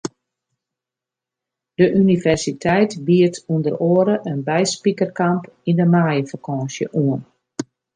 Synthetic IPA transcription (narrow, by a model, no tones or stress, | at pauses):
d̥əʔynivɛrsitʰɛjtbiətʰundəroəɾəʔənbɛjspikərkampindəmaːjəfakʰɔ̃ːnsjə̰ʔuən